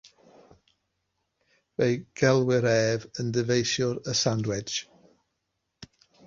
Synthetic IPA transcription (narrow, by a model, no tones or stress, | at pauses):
vejɡ̥ɛlˠwɪɾɛːvəndəvejʃjʊɾəsandwɪ̥d͡ʒ